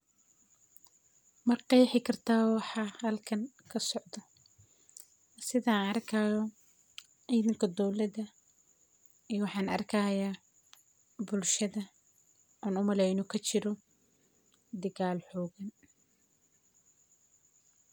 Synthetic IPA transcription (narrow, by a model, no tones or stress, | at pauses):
mɐqɑjħɪkʰɐrt̪ʰaːwɑħɑhɐlkʰɐŋ | kʰɐsɔʕd̪ɐ | sɪðanɐrkʰajɔ | iðɪŋkʰɐd̪ɔwlɐðɐ | iwɑħɑːnɐ̰rkʰɐːjaː | bʊlʃɐðɐ | ʔaːnʊmɐlɛjnɔkʰɐt͡ʃɪɾɔ | d̪ɐɣaːlħɔːɣɐn